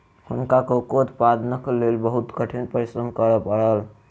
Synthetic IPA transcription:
hunkakokot̪pad̪ʱnəklelbəɦut̪kəʈʰinpəsənkəɾəpəɽəl

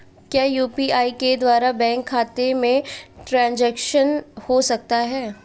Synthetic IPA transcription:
kjaːjuːpiaːiked̪waːɾabɛ̃ːŋkʰːaːt̪emẽʈɾãːnd͡ʒɛːkʃənhosɐk̚t̪aɦɛː

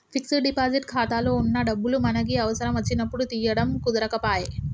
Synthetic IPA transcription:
fiksəɖipad͡ziʈkʰat̪aːlounːaɖəbːulumɐnaɡiːɐʋəsəɾamɐt͡ɕinɐpuɽut̪ijəɽəmkud̪ɾakɐpaːɦe

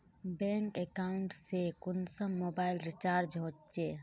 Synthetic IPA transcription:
bɛ̃ŋkekaʊɳʈsekʊnsəmːoːbailɾit͡ʃaːɾd͡ʒɦot͡ʃe

